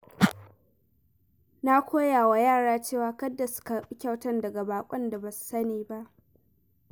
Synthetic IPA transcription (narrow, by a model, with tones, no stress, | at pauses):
na˦kʷoː˦jaː˨wa˨jaː˦˨ɽaː˦t͡ʃeː˦˨waː˨˦kɐ˦dːa˨su̥˦kɐ˨ɓʼi˦kʲa˦wtɐ˦ndɐ˨ɡa˨baː˨kʷʼɔ˦nda˨bɐ˨su̥˨sɐ˦neː˨ba˦ʔ